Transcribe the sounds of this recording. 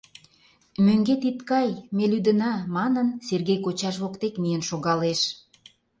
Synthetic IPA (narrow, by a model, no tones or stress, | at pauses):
møŋɡet̪it̪kɑjmelyd̪ənɑmɑnənserɣejkot͡ɕɑʃβokt̪ekmijənʃoɣɑleʃ